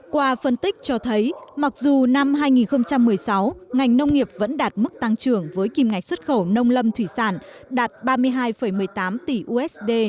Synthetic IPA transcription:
kwaː˧fə˧nt̪ï˦˥k̚t͡ɕɔ˧t̪ʰə˨˦jma˨˩k̚zu˨˩na˧mɦaː˧jŋi˨˩nxə˧wŋ͡mt͡ɕa˧mːɨ˨˩əjsa˨˦wŋa˨˩jŋ̟nə˧wŋ͡mŋi˨˩əp̚və̰˧˥nɗaː˨˩t̚mɨ˦˥k̚t̪a˧ŋt͡ɕɨ˧˩əŋvəː˨˦jki˨˩mŋa˨˩jk̟swə˦˥t̚xə˧˩wnə˧wŋ͡mlə˧mt̪ʰwi˧˩saː˧˩nɗaː˨˩t̚ɓaː˧mɨ˧əjɦaː˧jfə˧˩jmɨ˨˩əjt̪aː˨˦mt̪i˧˩ʔu˧ʔɛ˦˥sɗe˧

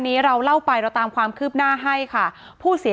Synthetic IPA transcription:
nːiː˦˥ɾa˧wla˥˩wpa˧jɾɛ˦˥t̪aː˧mkʰwaː˧mkʰɯː˥˩p̚naː˥˩ɦa˥˩jkʰa˥˩ | pʰuː˥˩si˨˩˦

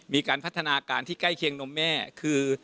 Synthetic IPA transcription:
miː˧kaː˧npʰa˦˥˩t̪ʰːa˧naː˧kaː˧nt̪ʰiː˥˩ka˥˩jkʰi˧əŋno˧˥mːɛː˥˩kʰɯː˧

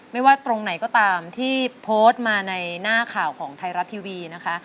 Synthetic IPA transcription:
ma˥˩jwaː˥˩t̪ɾo˧ŋna˩˦jkɔː˥˩t̪aː˧mt̪ʰiː˥˩pʰoː˦˥st̪̚maː˧na˧jnaː˥˩kʰaː˨˩wkʰɔː˩˦ŋt̪ʰa˧jɾa˦˥t̪ʰːiː˧wiː˧na˦˥kʰa˦˥ʔ

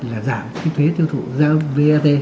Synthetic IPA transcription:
laː˨˩zaː˧˩˨mkʰi˨˦t̪ʰe˨˦t̪ʰi˧əwt̪ʰṵ˧˩zə̰ː˧˥ve˧ʔaː˧t̪e˧

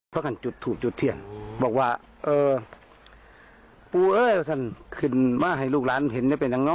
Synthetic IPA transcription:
pʰɔ˧˨kʰa˨nt͡ɕu˧˦t̪ʰːuː˧˩k̚t͡ɕu˧˦t̪ʰːɯ˧˩ənbɔː˧˩k̚waː˧ | ʔɤː˧ | puː˧ʔɤː˧˩˨jɔ˧˩sʰa˧˩˨nkʰɯ˧˩˨nmaː˧˩˨ɦa˨˩jluː˧˩k̚laː˨˦˥n˨he˨˦nja˧˦pa˨˩jɲa˧˦ŋnɔ˧˥˨

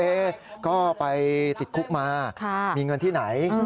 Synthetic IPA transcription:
eː˧kɔː˥˩pa˧jt̪i˨˩t̪̚kʰu˦˥k̚maː˧kʰa˥˩miː˧ŋɤ˧nt̪ʰiː˥˩na˩˦j

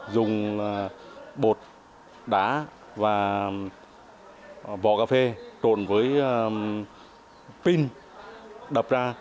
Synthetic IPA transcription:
zʊ˨˩ŋ͡mlaː˨˩ɓo˨˩t̚ | ɗaː˨˩˦ | vaː˨˩ | vɔ̰˧˨kaː˧fe˧t͡ɕo̰˧˨nvəː˨˦j | pi˧n | ɗə˨˩p̚zaː˧

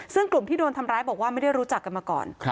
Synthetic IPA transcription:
sɯ˥˩ŋklu˨˩mt̪iː˥doː˧nt̪ʰa˧mɾaː˦˥jbɔː˨˩k̚waː˥˩ma˥˩jda˥˩jɾuː˦˥t͡ɕa˨˩kːa˧nmaː˧kɔ̰ː˨˩n˦

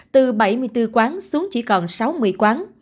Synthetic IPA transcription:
t̪ɨ˨˩ɓə˧˩jmɨ˨˩əjt̪ɨ˧kwaː˨˦nsu˨˦əŋt͡ɕḭ˧˩kɔ˨˩nsa˨˦wmɨ˨˩əjkwaː˨˦n

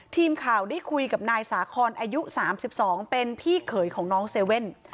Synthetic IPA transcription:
t̪ʰiː˧mkʰaː˨˩wdaː˥˩jkʰu˧jka˨˩p̚naː˧jsaː˩˦kʰɔː˧nʔaː˧ju˦˥ʔsaː˩˦msi˨˩p̚sɔː˩˦ŋpe˧npʰiː˥˩kʰɤː˨˩˦jkʰɔː˩˦ŋnɔː˦˥ŋseː˧we˥˩n

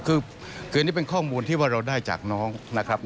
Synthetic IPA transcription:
kʰɯː˧ | kʰɯː˨˩ni˥˩pe˧nkʰɔː˥˩muː˧nt̪ʰiː˥˩waː˥˩ɾa˧wdaː˥˩jt͡ɕa̰ː˨˩k̚nɔː˦˥ŋna˦˥kʰɾa˦˥p̚

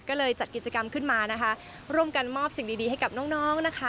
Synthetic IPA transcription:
kɔː˥˩lɤː˧jt͡ɕa˨˩ki˨˩t̪̚t͡ɕa˧ka˧mkʰɯ˥˩nmaː˧na˦˥kʰa˦˥ | ɾu˧˥˩əmka˧nmɔː˥˩p̚si˨˩ŋdiː˧diː˧ɦa˥jka˨˩p̚nɔː˦˥ŋ̚nɔː˦˥ŋ̚na˦˥kʰa˦˥

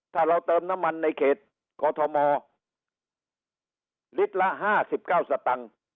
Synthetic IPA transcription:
t̪ʰaː˥˩ɾa˧wt̪ɤː˧mna˦˥mːa˧nːa˧jkʰeː˨˩t̪̚ | kɔː˧t̪ʰɔ˧mɔː˧ | li˦˥t̪̚la˦˥ʔɦaː˥˩si˨˩p̚kaː˥˩wsa˧t̪a˧ŋ

